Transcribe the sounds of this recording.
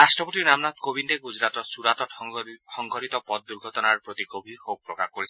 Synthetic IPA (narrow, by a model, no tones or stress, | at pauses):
ɾasʈɾɔpɔtinamnat̪kobinɾeɡud͡ʒɾat̪ɔsuɾat̪ɔhɔŋɡʱɔɾit̪ɔpɔd̪̚d̪uɾɡʱɔt̪ɔnaɾpɾot̪ikobʱixok̚pɾɔkakɔɾisʰ